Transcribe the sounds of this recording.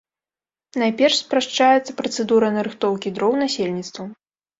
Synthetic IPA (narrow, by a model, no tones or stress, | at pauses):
najpʲɛrʂspɾaʂt͡ʂajɛt̪sːɐ̥pɾɐt̪sɛd̪uɾɐnɐɾɨxt̪ɔwkʲid̪ɾɔwnasʲelʲnʲit̪st̪vɐ